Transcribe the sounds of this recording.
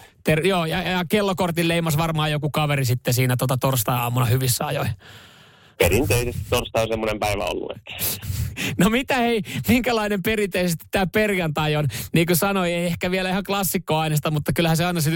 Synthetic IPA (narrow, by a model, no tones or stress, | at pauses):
t̪erjoːjɑjjɑkelːokort̪illeimɑsʋɑrmɑːjokukɑʋerisit̪ːesiːnæt̪uot̪ɑt̪orst̪ɑːɑ̰ːmːunɑhyʋisːæɑjoi | peɾint̪eisest̪i̥t̪t̪orst̪ɑonsemːonempæiʋæ̰o̰lːṵḛt̪ːæ̥ | nomit̪æeimiŋkælɑinemperint̪eisest̪i̥t̪tæːpperjɑnt̪ɑjonniːkusɑnoieiehkæʋielæihɑklɑsːikːoɑinest̪ɑmut̪ːɑkylhæseɑinɑsi